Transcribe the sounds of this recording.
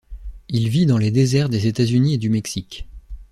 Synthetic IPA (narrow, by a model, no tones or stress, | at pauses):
ilvid̪ɑ̃led̪ezɛʁd̪ezet̪azynied̪ymɛksikʲ